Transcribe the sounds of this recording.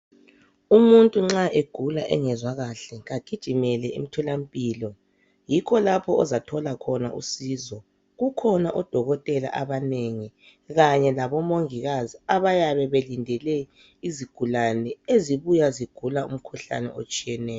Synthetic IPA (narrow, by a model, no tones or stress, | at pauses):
umuntʼuŋ͡ǁaʔeɡ̥ʱulaʔɛ̰ŋɛzwaɣaɬɛɣaɡ̥ʱid̥ʒ̥ʱimɛlɛḭm̩tʰɔlam̩pʼiːlɔ | jikʰɔlapʰɔɔzatʰɔlakʰɔna̰ʔṵsiːzɔ | ɣukʰɔnaʔɔd̥ʱɔɣɔtʼɛla̰ʔaβaneŋi | ɣaɲɛlaβɔmoŋiɣaziaβajaβɛβelindʱɛlɛ | iziɡ̥ʱulanɛeziβujaziɡ̥ʱulaum̩kʰuɬa̰nɛ̰ʔot͡ʃʼijɛnɛːjɔ